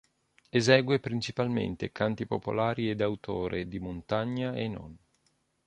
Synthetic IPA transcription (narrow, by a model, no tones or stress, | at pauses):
ezɛːɡwepɾint͡ʃipalmḛnt̪ekant̪ipo̰po̰laːɾied̪awt̪ʰoːɾʔed̪imont̪aɲːaenɔ̰n